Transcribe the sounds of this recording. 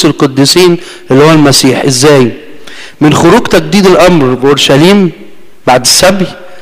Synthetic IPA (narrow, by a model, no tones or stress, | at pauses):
selqod̪ːisiːn | ʔelːhowælmæsiːħʔezːæːj | mɪnxoɾuːɡt̪æɡ̚d̪iːd̪elʔɑmɾbeʔoɾʃæliːm | baʕd̪ɪsːæbʕi